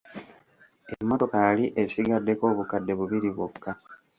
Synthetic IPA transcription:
emːo̞to̞kajaliʔe̞siɡadːe̞ko̞ːβukadːe̞βuβiɾiβwokːa

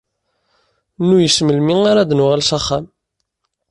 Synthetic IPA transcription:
nːujəsməlmiaɾad̪nʊʁælsaχːam

